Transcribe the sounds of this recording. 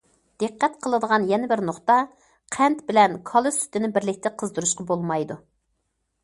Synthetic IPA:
d̪̥eqːɛt̪̚qʰəlˠɨd̪əʁɑnjɛnɪbɪɾnoχt̪ɑ | qʰɛnt̪bɪlɛnkʰɑlˠɨsy̥t̪ɪnɪbɪɾlɪk̚ʲt̪ɪqʰəzd̪ɨɾuʃqɑbolˠmɑjd̪u

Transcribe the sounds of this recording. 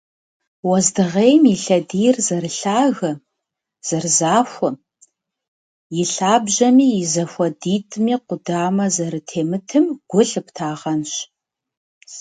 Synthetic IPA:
wɐzdɨʁejmjɪɬɐdijrzɐrɨɬaːɣɐ | z̥ɐrzaːfʷʊ | jɪɬaːbʑɐmiːjɪzɐfʷɐdiːtʰʼmiːqʷʊdaːmɐzɐɾɨtʰeːmɨtʰɨmɡ̥ʷʊɬɨptʰaːʁɐnɕ

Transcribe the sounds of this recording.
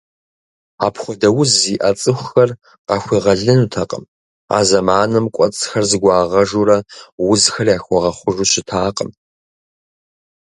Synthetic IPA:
aːpʰχʷɔdɐwʊzːiːʔɐt͡sʼɨxʷxɐr | qɑːxʷiʁɐɮɨnutʰɐqʼə̰m | a̰ːzɐmaːnɨmkʷʼɔt͡sʼxɐrzɨɡʷɑːʁɐʒuɾɐwʊzxɐrjaːxʷɔʁɐχʷʊʒuɕɪtʰaːqʼəm

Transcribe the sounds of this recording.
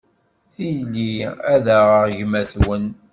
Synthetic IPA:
θijliæðæʁəʁʝmæθwən

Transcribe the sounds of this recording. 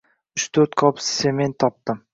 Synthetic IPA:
ʊt͡ʃt̪ʰɵɾt̪kʰɒpssement̪ʰːɒp̚t̪ɪm

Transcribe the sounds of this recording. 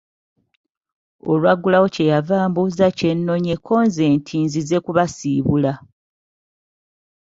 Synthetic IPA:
o̰lwaɡulawo̞ce̞javaːmbuzace̞nːo̞ɲe̞kʰo̞ːnze̞ːntʰiːnzize̞kuβasiːβula

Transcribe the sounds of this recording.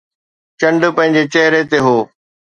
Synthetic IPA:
t͡ɕɐ̃ɳɖpɐ̃ɦɪ̃ɲd͡ʑet͡ɕɐɦɪɾet̪eɦoː

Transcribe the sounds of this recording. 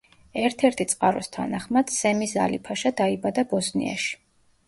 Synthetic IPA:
ɛɾt̪ʰɛɾt̪ʰit̪sʼqʼaɾɔst̪ʰa̰naχmad̪̥sɛmisa̰lipʰaʃad̪aibad̪abɔsnḭa̰ʃi̥

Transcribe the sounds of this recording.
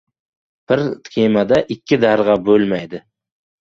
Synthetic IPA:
b̥ɪɾt̪kʲʰemad̪aʔɪkʲːɪd̪aɾʁɑbɵlmajd̪ɪ

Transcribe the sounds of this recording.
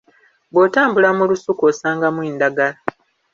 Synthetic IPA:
bwotaːmbulamulusukoːsaːŋɡamwiːndaɡala

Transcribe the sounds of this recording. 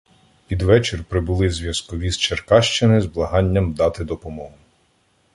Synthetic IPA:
pʲid̪ʋɛt͡ʃerpɾɪbʊlˠɪzʲʋʲjɐskɔʋʲist͡ʃerkɑʃt͡ʃɪnɪzblˠɐɦɑnʲːɐmd̪ɑt̪ɪd̪ɔpɔmɔɦʊ

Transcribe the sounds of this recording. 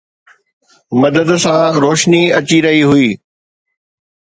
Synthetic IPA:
mɐd̪əd̪sãɾoːʃniɐt͡ɕiɾɐɦiɦʊiː

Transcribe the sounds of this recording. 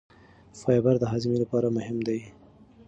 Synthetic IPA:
fɑjbaɾd̪əɦɑzɪmilapɑɾamʊɦɪmd̪aj

